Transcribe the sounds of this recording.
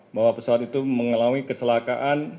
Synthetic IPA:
baɦwapəsawat̪it̪uməŋəlawikət͡ʃəlakaʔan

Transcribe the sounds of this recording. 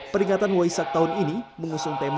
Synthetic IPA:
pəɾiŋat̪anwaisak̚t̪aʊniniməŋusʊŋt̪em

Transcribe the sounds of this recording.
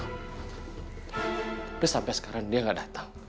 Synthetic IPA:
pʊsampɛsə̥kaɾaŋdiaŋɡaʔdat̪aŋ

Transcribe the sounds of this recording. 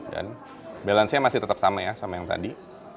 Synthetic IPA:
da̰n | belansɲamasɪht̪ət̪ap̚samajasamajaŋt̪a̰di

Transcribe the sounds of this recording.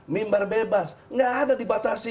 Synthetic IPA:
mimbarbebasŋɡaːdadibat̪asi

